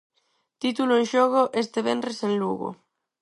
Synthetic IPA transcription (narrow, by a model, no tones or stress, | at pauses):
t̪it̪uloẽnʃoɣoʔest̪eβenresẽnluɣo̰